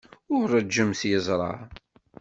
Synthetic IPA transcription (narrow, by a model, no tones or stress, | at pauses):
ʊɾæd͡ʒːəmθjəzˤɾˤɑ̰